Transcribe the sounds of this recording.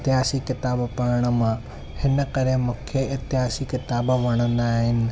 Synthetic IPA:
t̪ɪɦaːsikɪt̪aːbpɐɾəɽ̃ə̆mã | hɪnə̆kɐɾemũːkʰeɪt̪ɪɦaːsikɪt̪aːbʋɐɽ̃ə̃nd̪aːɦɪnɪ̆

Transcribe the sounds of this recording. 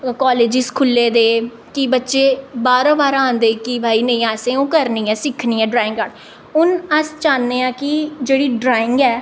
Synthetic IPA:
kaːleːd͡ʒɪskʰʊlːeːd̪eː | kɪbətːʃeːbaːɾãːbaːɾãːnd̪eːkɪbʱaːiːnə̃ĩːaːsẽːõːkəɾniːɛːsɪkʰniːɛːɖɾaːɪ̃ŋɡaːɽ | ʊnəst͡ʃaːnːeːãːkɪd͡ʒeːɽiːɖɾaːɪ̃ŋɡɛː

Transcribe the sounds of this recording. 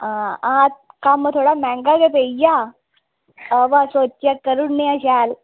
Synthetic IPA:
aat̪̚kamːət̪ʰoɽamɛ̃ŋɡaɡep̪eja | əʋasot͡ʃakəɾunːiaɕal

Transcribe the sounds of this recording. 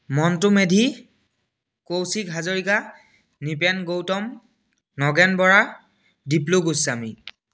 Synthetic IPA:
mɔntʊmedʱi | kowsikɦazoɹika | nipɛnɡowtɔm | nɔɡɛnbɔɹa | dipluɡusami

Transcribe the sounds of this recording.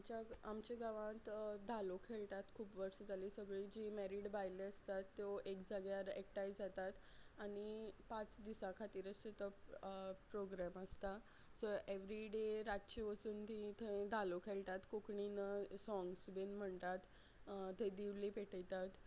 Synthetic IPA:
amt͡ɕaamt͡ɕeɡaʋãt̪d̪ʱalokʰeɭt̪at̪kʰuːpʋəɽsəd͡zalisəɡɭid͡ʑimɛɾiɽbajleəst̪at̪ːjoekd͡zaɡjaɾɛk̚ʈajd͡zat̪at̪ | aɽ̃ipat͡sd̪isãkʰat̪iːɾəset̪ə | pɾoɡɾaməst̪a | səʔeʋɾiɖeɾat̪t͡ɕeʋət͡suːnt̪it̪ʰed̪ʱalokʰelt̪at̪kokɳinəsɔ̃ŋɡsbenm̤əɳt̪at̪ | t̪ed̪iʋlipeʈʰəjt̪at̪

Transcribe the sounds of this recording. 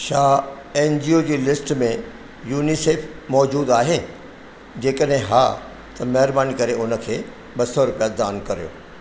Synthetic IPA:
ʃaː | eːnd͡ʑiːoːd͡ʑeːlɪsʈmẽ | juːniseːpʰmɔːd͡ʑuːd̪aːɦeː | d͡ʑeːkəɗɦɪ̃ɦa̰ː | t̪ɐmɐɦɪɾbaːnikɐɾeʊnə̆kʰeː | ɓɐsɔɾʊpijad̪aːnkɐɾijo̰ː

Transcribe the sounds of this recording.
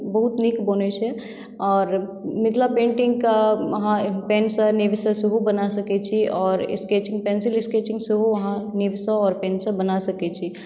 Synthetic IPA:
bəɦut̪nikbonet͡ʃʰɛ | ɔːɾmɪt̪ʰlapẽːɳʈɪ̃ŋɡkaʋɐɦãpeːnsəniʋsə̃suɦubənasɐkɛt͡ʃʰiɔːɾɪ̰sket͡ʃɪ̃ŋɡpɛːnsɪlɪskeːt͡ʃɪ̃ŋɡsuɦuʋɐɦãniʋsəɔːɾpẽːnsə̃bənasɐkɛt͡ʃʰi

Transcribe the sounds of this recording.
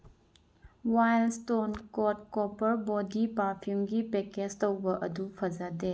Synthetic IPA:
wajlstonkɔt̚kɔpɐɾbɔdipapʰumɡipeked͡ʒtowbɐʔɐdupʰɐd͡ʒade

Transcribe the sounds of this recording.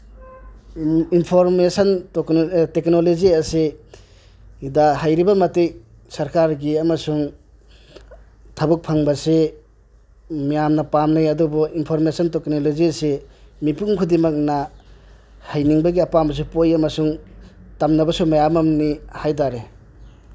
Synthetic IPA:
inpʰoɾmesɐntoktek̚noloziase | idaɦajɾibɐmɐtej | sɐɾkaɾɡiamɐsuŋ | tʰɐbuk̚pʰaŋbɐse | mijamnɐpamnajɐdubɔinpʰoɾmesanteknolozisemipuŋkʰudimak̚na | hajniŋbɐɡiapamɐs̬upojamɐsuŋtamnɐbɐsumajamamnihajtaɾe

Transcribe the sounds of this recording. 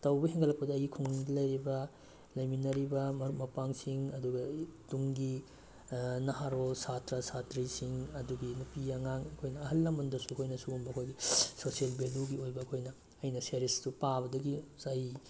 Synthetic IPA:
tɐwbɐhiŋɡɐlɐk̚pɐdɐɐjɡikʰuŋnidɐlɐjɾibɐ | lɐjminɐɾibɐmɐɾumɐpaŋsiŋɐduɡɐtuŋɡi | nɐɦaɾosatɾɐsatɾisiŋɐduɡinupijɐŋaŋɐkʰojnɐːɦɐlːɐmɐndɐsuɐkʰojnɐsuɡumbɐkʰojɡisosielbeluɡiojbɐːkʰojnɐː | jnɐseɾistupabɐdɐɡisaj

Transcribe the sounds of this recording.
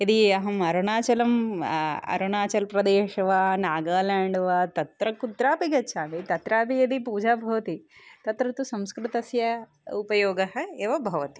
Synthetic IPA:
ɐd̪iɐɦɐmɐɾɐnaːt͡ʃɐlɐm | ɐ̰ɾɐnaːt͡ʃɐlpɾɐd̪eːʃɐʋaːnaːɡaːlaːɳɖɐʋat̪ɐt̪ɾɐkut̪ɾaːpiɡɐtːʃʰaːmit̪ɐt̪ɾaːpiɐd̪ipuːd͡ʒaːbʱɐʋɐt̪it̪ɐt̪ɾɐt̪usɐ̃mskɾɨt̪ɐsjɐ | upɐjoːɡɐɦɐ̆eːʋɐbʱɐʋɐt̪i̥

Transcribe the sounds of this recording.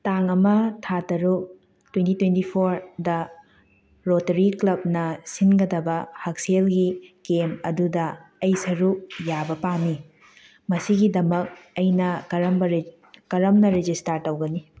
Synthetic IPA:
taŋɐmɐtʰatɐɾuk̚ | twentitwentipʰoɾdɐ | ɾotɐɾiklɐb̚nɐsinɡɐdɐbɐhɐk̚selɡikemɐdudɐɐjsɐɾuk̚jabɐpami | mɐsiɡidɐmɐk̚ɐjnɐkɐɾɐmbɾ | kɐɾɐmnɐɾed͡ʒistaɾtɐwɡɐni

